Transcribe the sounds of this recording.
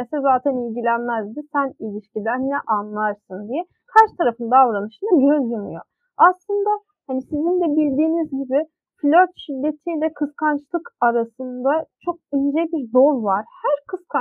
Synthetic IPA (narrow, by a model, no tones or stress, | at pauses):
ɛsɛzaːt̪ʰɛnilʲɟilʲænmæzd̪isænilʲiʃcilʲæɾnɛʔanlˠaɾsɯnd̪ijɛ | kʰaɾʃt̪ʰaɾafɯnd̪aːvɾanɯʃɯnaɟøzjamɯ̰jo̞̰ | aslˠɯnd̪a | hanisizind̪ɛbilʲd̪iːnizɟibi | flʲøɾt̪ʃid̪ːet̪ʰijlʲɛkʰɯskʰant͡ʃlˠɯkaɾasɯnd̪at͡ʃʰo̞k̚ynd͡ʒɛbiɾd̪o̞lˠvaɾ̥hæɾkʰɯskʰa